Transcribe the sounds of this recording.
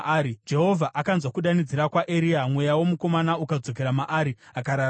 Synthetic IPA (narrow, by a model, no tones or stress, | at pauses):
ɾid͡ʒe̞ɦo̞vʱaʔakanzwakuɗanid͡ziɾakwaʔeɾiamwe̞jawo̞muko̞manaukad͡zo̞k̬e̞ɾamaʔaɾiakaɾaː